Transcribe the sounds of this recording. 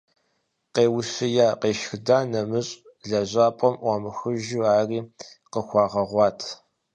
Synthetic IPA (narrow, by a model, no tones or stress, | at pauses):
qeːwʊsɪjaːqeːʃxɨdaːnɐmɨɕʼ | ɮɐʑaːpʼɔmʔʷɔmɨxɨʒuaːriː | qəxʷɑːʁɐʁʷɑːtʰ